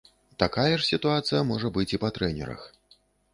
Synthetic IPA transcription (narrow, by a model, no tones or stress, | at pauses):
t̪akajɐʂsʲit̪uat̪sɨjɐmɔʐɐbɨt͡sʲipat̪ɾɛnʲɛ̰ɾɐ̰x